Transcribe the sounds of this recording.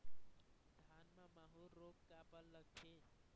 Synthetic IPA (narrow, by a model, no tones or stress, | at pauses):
d̪ʱanmamaɦuɾokkapəlːəɡ̚t͡ʃʰe